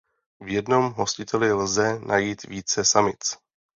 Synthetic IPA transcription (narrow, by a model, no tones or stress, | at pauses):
vjɛdno̞mɦo̞scɪt̪ʰɛlɪlzɛnʔajiːt̪viːt͡sɛsamɪt̪